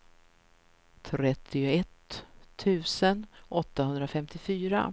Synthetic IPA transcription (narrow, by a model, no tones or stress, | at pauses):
t̪ʰɾɛt̪ʰːɪʊɛt̪ʰː | ʉ̟ːsənʔɔt̪ːahɵnd̪ɾafɛmt̪ɪfyːɾa̰